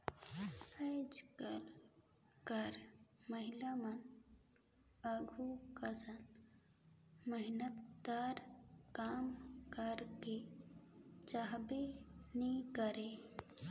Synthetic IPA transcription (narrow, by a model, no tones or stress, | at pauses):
əd͡ʒkəl | kəɾməɦilamən | əɡʱukəsən | məɦɪnət̪̚d̪aɾkaːmkəɾke | t͡ʃaɦbenikəɾe